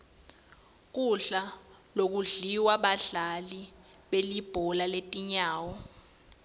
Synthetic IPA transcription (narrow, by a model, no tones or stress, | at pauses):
k̬ʼuɬalok̬uɮiwaɓaɬali | ɓelib̥ʱɔlaletʼiɲaːwɔ